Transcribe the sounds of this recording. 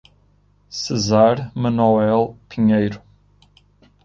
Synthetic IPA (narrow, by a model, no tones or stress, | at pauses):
sɨzaɾmɐnɔwɛlˠpiɲejɾu